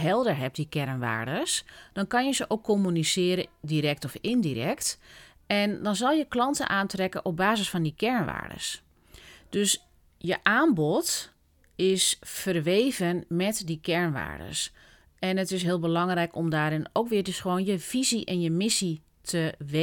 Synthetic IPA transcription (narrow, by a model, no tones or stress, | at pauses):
ɦɛlˠdəɹɦɛp̚dikɛrnʋa̰ːɹdəsd̥ɔnkɑnjəzəʔoːkʰːomynisɪːəɾədiɾɛk̚tɔfɪndirɛ̰kt | ɛndɔnzɔlˠjəklɑntə̰nʔaːntrɛkənʔɔp̚baːzəsfɔndikʰɛɹnʋa̰ːdə̰s | d̥øs | jəʔaːmbɔt | ɪsfərʋeːvənmɛtdikʰɛɹnʋa̰ːɹdə̰s | ɛnətɪs̬ɦɪːəlˠbəlɑŋrɛjkɔmdaːɾɪnowkʋɪədəsxəʋoːnjəv̥iziʔɛnjəmɪsi | tʰəʋe